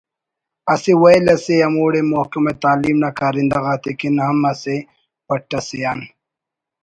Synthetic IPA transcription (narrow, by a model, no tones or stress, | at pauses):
ɐsiwɐjlɐseɐmuːɽemohkimet̪aːliːmnakaːɾind̪ɐɣaːt̪ekinhɐmɐse | pɐʈːɐsejaːn